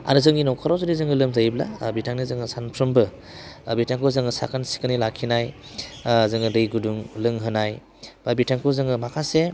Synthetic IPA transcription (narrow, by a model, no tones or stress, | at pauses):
a̰ɾɯzɯŋɡinɔwkʰaɾawzudizɯŋɯlɯmzajbla̰bitʰaŋnizɯŋɯsanpʰɾɯmbɯ | bitʰaŋkʰɯzɯŋɯsa̰kʰansi̥kɯnilakʰinaj | zɯŋɯdɯjɡuduŋlɯŋɦɯnaj | b̥abitʰaŋkʰɯzɯŋɯmakʰase